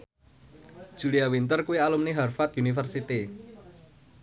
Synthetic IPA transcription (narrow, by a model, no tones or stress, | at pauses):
d̥ʒ̥ṳliawint̪ərkuwialumniɦarfat̪̚unifərsit̪i